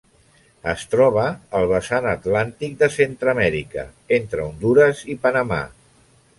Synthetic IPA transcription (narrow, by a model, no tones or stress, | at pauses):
əst̪ɾɔβ̞əːlˠβ̞əsanət̪lant̪ik̚d̪əsent̪ɾəmɛɾikə̰ | ent̪ɾəund̪uɾəzipənəma̰